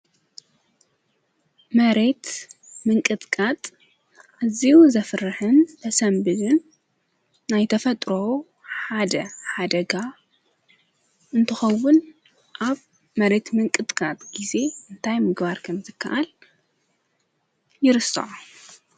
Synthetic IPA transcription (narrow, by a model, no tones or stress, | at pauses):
mɐɾe̞t̪ | mɨŋkʼɨt̪ʼkʼat̪ʼ | ʔaziuzɐfɾɨħɨnt̪ʰɐsɐmbɨlɨnː | ajt̪ʰɐfɐt̪ʼɾo | ħad̪ɐħad̪ɐɡa | ʔɨnt̪ʰɨxɐwːʊn | ʔaβ | mɐɾe̞t̪mɨŋkʼɨt̪ʼkʼat̪ʼɡ̥ize̞ʔɨnt̪ʰajmɨɡbaɾkʰɐmzɨkʰːɐ̰ʔal | jɪɾɨsːɐ̰ʕu